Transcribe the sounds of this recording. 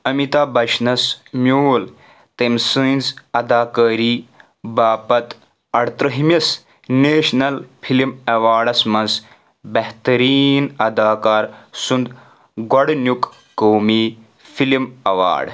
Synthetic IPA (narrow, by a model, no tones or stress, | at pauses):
ɐmit̪aːbɐʃnɐsmʲjuːl | t̪emsɨ̃nʲzɐd̪aːkɐːɾiː | baːpɐt̪ | ɐɽt̪ɾɐɦimɐs | neːʃnɐlfʰilimɐʋaːɖɐsmɐnz | bɐɦt̪ɐɾiːnɐd̪aːkaːɾsund̪ | ɡɐɽnʲjuk | kɐwmiː | fʰilimɐʋa̰ːɖ